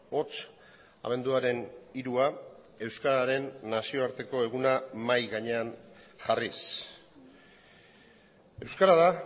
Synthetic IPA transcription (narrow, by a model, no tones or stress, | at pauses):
o̞t͡s | a̰βe̞nd̪uaɾe̞niɾua | e̞wskaɾaɾe̞nːasio̞aɾt̪e̞ko̞e̞ɣ̞unamajɣaɲe̞anʝaris | e̞wskaɾaða